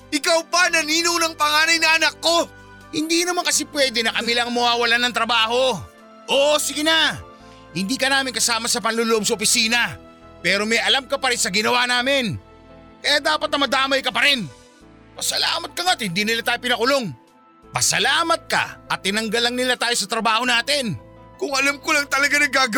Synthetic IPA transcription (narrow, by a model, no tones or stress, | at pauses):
ʔɪkawpɐnɐniːnownɐŋpɐŋaːnɐjnɐʔɐnɐkːo̞ | hɪnd̪inɐmaŋkɐsɪpwɛːd̪ɛnɐkɐmɪlaɐŋmɐwaːwɐlanɐŋt̪ɾɐbaːho̞ | ʔoʔsɪɡɪna | hɪnd̪iːkɐnaːmɪŋkɐsaːmɐsɐpɐnloloʔob̚sɐopɪsiːnɐ | pɛːɾo̞mɛjʔɐlamkɐpɐɾɪnsɐɡɪnɐwanaːmɪn | kɐjaːd̪aːpɐt̪̚nɐmɐd̪aːmɐjkɐpɐɾɪn | pɐsɐlaːmɐt̪̚kɐŋat̪̚hɪnd̪iːnɪlat̪aːjopɪnɐkʊlo̞ŋ | pɐsɐlaːmɐt̪̚kɐ̰ʔɐt̪ːɪnɐŋɡɐlɐŋnɪlat̪aːjo̞sɐt̪ɾɐbaːho̞naːt̪ɪnkʊŋʔɐlamkolɐŋt̪ɐlɐɡanɐɡaːɡ